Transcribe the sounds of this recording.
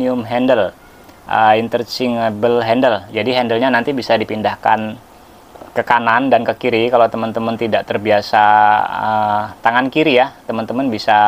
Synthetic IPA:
iʊmɦɛndəl | ʔə̰int̪ərt͡ʃɪŋbəlɦɛndəld͡ʒadiɦɛndəlɲanant̪ibisadipindahka̰n | kəkanandankəkiɾikalat̪əmant̪əmənt̪idaʔt̪ərbiasaət̪aŋankiɾijat̪əmənt̪əmanbisa

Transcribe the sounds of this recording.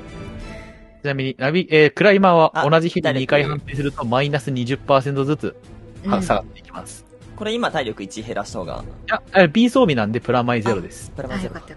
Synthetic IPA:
t͡ɕɨnamʲiɲ̟inabʲiʔeːkɯ̟ɾaimaβaʔo̞naʑiçid̪iɲɲikaiɦãnt̪eːs̬ɨɾɯ̟t̪o̞mainasɨɲ̟iʑɨpːaːsent̪o̞zɨt͡sɨhasaɡat̪ːe̞ikʲima̰sɨ̥ | ko̞ɾe̞imat̪aiɾʲo̞kɯ̟it͡ɕiɦeɾaɕi̥t̪ahoːɡa̰jaaɾbʲiːso̞ːbʲinãnd̪e̞pɯ̟ɾamaize̞ɾo̞d̪esɨ̥pɯɾae

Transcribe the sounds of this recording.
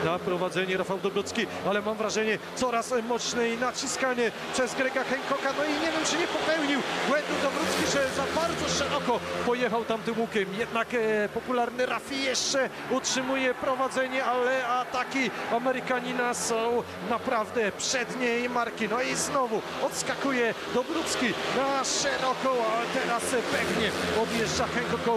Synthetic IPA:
napɾɔvad̪zɛɲɛɾafawd̪ɔbɾut̪skʲialɛmamvɾaʐɛɲɛt̪sɔɾasmɔt̪sɲɛinat͡ɕiskaɲɛ | pʂɛzɡɾɛɡaxɛŋkɔkanɔiɲɛvʲjɛmt͡ʂɘɲɛpɔpɛwɲiwbwɛnd̪ud̪ɔbɾut̪skʲiʐɛzabaɾd̪zɔʂɛɾɔkɔpɔjɛxawt̪amt̪ɪmukʲɛmjɛd̪nakpɔpulaɾnɘɾafʲijɛʂt͡ʂɛ | utʂɘmujɛpɾɔvad̪zɛɲɛalɛat̪akʲiamɛɾɨkaɲinasɔ̃w̃ | napɾavd̪ɛpʂɛd̪ɲejmaɾkʲinɔiznɔvu | ɔt̪skakujɛ | d̪ɔbɾut̪skʲinaʂɛɾɔkɔ̃waɛt̪ɛɾaspɛɡɲɛɔd̪jɛʐd͡ʐaxɛŋkɔkɔ

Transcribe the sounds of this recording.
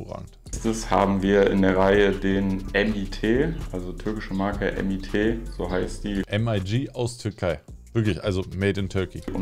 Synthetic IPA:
oːʁa̰ːɡŋ̩t | stəsha̰ːbm̩viːɐɪ̰ndeːɐʁaɪədeːnʔɛmitʰeːʔalzotʰʏɐkɪʃəmaɐkəʔɛ̰mitʰeːz̥oːɦaɪstd̥iːʔɛmaɪd͡ʒiːʔaʊstʰʏɐkʰaɪv̥ɪɐklɪçʔa̰lzomeːtɪntʰœɐkiʊ

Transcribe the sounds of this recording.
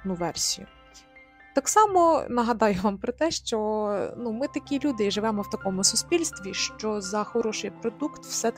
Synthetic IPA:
nʊʋɛrsʲijʊ̰ | t̪ɑksɑmɔnɐɦɐd̪ɑjʊʋɑmpɾɔt̪ɛʃt͡ʃɔnumɪt̪ɐkʲilʲud̪ɪʒɪʋɛmɔwt̪ɐkɔmʊsʊspʲilʲst̪ʋʲiʃt͡ʃɔzɐxɔɾɔʃɪjpɾɔd̪ukt̪w̥sɛ

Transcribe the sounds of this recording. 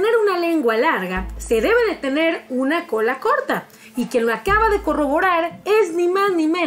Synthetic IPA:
ne̞ɾunale̞ŋɡwalaɾɣase̞ðe̞βe̞ðet̪e̞ne̞ɾunako̞lako̞ɾt̪a | ikenoakaβaðe̞ko̞ro̞βo̞ɾaɾe̞znimaznimẽ

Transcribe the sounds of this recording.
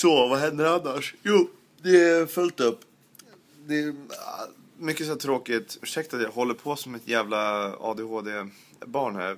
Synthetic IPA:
sɔvaɦɛnd̪əɾanːaʂjuː | d̪ɛfœlt̪ɵpː | d̪ɛ | mʏkːəsɔæːʈ̪ʰɾoːkɪt̪ʉːʂɛk̚t̪at̪jahɔlːəpʰɔsɔmːɪt̪jæːvlaɑ̰ːd̪eːhoːd̪eː | bɑːɳhæ̰ɾ

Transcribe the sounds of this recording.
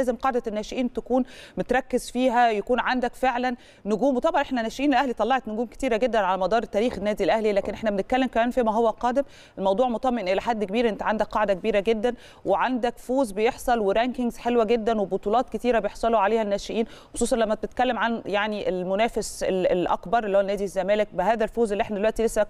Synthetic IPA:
æːzemqɑʕd̪ænːæːʃeʔiːnbt̪ækuːnmet̪ɾˤɑkːezfiːɦæjækuːnʕand̪ækfeʕlænː | ʊɡuːmwet̪ˤɑbɑnʔeħnænæːʃeʔiːnelʔæhlit̪ˤɑlːɑʕet̪noɡuːmke̥t̪iːɾæɡed̪ːænʕalæmɑd̪ˤɑːɾˤet̪ːæːɾiːxenːæːd̪ilʔæhlilæːkenʔeħnæbenet̪̚kælːemkæmæːnfiːmæɦowːælqɑːd̪em | elmɑwd̪ˤuːʕmot̪ˤɑmːeʔnʔelæħad̪ːkebiːɾʔent̪æʕand̪ækːɑʕd̪ækebiːɾæɡed̪ːæn | weʕand̪ækfoːzbejeħsˤɑlweɾæŋkeŋɡzħelwæɡed̪ːænwebot̪ˤuːlɑːt̪̚ket̪iːɾæbejeħsˤɑloʕaleːhænːæːʃeʔiːnxo̥sˤuːsˤɑnlæmːæt̪̚t̪et̪̚kælːemʕanjaʕniʔelmʊnæːfeseelʔæ̰kbɑɾˤʔelihowænæːd̪izːæmæːlek̚behæːðælfoːzelːieħnæd̪elwæʔt̪ilesːæ

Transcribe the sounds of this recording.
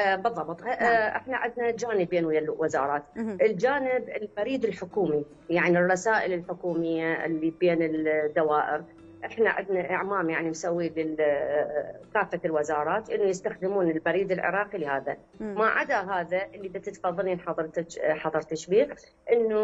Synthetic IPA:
bɨðˤːɑbt̪ˤʔɪ̰ħnaʕɪd̪nad͡ʒaːnɪbeːnwjalwɪzɑ̰ːɾˤɑːt̪ʔɪld͡ʒaːnɪbɪlbaɾiːd̪ɪlħʊkuːmi | jaʕnirˤːɑsaːʔɪlɪlħʊkuːmɪjːaʔɪ̰lːibeːnɪld̪ːawaːʔɪɾ | ʔɪħna̰ʕɪ̰d̪naʔɪ̰ʕmaːmjaʕnimsawːilɪl | kaːfːalwɪzɑːɾˤɑːt̪ʔɪnːujɪst̪axd̪ɪmuːnɪlbaɾiːd̪ɪlʕɪ̰ɾˤɑːqilɪhaːða̰ | maʕa̰d̪aɦaːðaʔɪlːib̪ɪt̪ɪt̪fɑðˤːɑlniħɑðˤɑɾt̪ħɑðˤɨɾˤt̪aʃbiːq | ʔɪnːu

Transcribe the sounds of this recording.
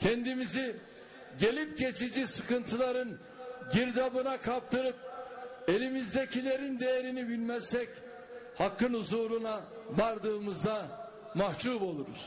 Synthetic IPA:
cʰɛnd̪imizi | ɟe̞lʲip̚ɟe̞t͡ʃʰid͡ʒisɯkɯnt̪ʰɯlˠaɾɯn | ɟiɾd̪abɯnakʰap̚t̪ʰɯɾɯp̚e̞lʲimizd̪e̞cʰilʲe̞ɾind̪e̞jeɾinibinmɛst̪ɛc | hakːɯnhuzuːɾuna | baɾd̪ɯːmɯzd̪a | maht͡ʃʰuːbo̞lˠuɾṵz̥

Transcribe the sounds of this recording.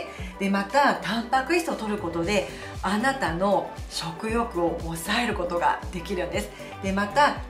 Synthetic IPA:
d̪̥e̞mat̪at̪ãmpakɯ̟it̪o̞t̪o̞ɾɯ̟ko̞t̪o̞d̪e̞ | anat̪ano̞ɕo̞kɯ̟jo̞kɯ̟o̞ːsae̞ɾɯ̟ko̞t̪o̞ɡa̰d̪̥e̞kʲiɾɯ̟̃nd̪e̞sɨ̥ | d̪̥e̞mat̪a

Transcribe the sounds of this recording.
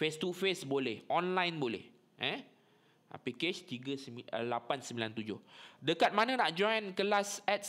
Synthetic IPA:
fest̪ufesbolɛhʔɔ̃nlãjnbolɛ̰h | ʔɛ̃ | a̰peket͡ʃt̪iɡəsəlapansəmbilant̪ud͡ʒʊhdəkat̪̚manə̃naʔ̚d͡ʒɔ̃jnkəlasɛt̪̚

